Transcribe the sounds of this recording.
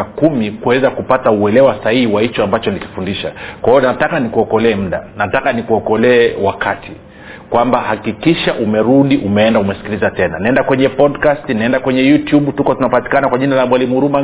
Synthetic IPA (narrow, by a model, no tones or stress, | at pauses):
kumikuwɛzakupatauɛlɛwasahihiwait͡ʃɔambat͡ʃɔniki̥fundiʃa̰kwaijɔnatakanikuɔkɔlɛːm̩ɗa̰natakanikuɔkɔlɛːwakʰati | kwambahakikiʃaʔumɛɾuɗiʔumɛɛndaumɛsi̥kilizatɛnanaɛndakwɛɲɛpɔdkastinaɛndakwɛɲɛjutjuɓtukɔtunapati̥kanakwaʄinalamwalimuuɾuma